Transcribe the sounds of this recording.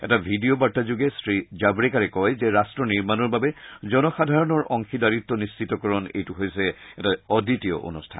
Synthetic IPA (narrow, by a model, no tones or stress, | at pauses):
ɛ̰tabʱidiobaɹtazuɡɛsɹizabɹɛkaɹɛkɔjzɛɹastɹɔniɹmanɔɹbabɛzɔnɔxadʱaɹɔnɔɹʔɔŋxidaɹitːɔnist͡ʃitɔkɔɹɔnḛjtuɦojsɛɛtaɔditijɔ̰ʔo̰nustʰa̰n